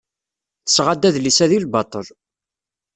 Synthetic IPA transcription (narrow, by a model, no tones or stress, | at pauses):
θəsʁad̪ːæðlisæðilbɑt̪ˤəl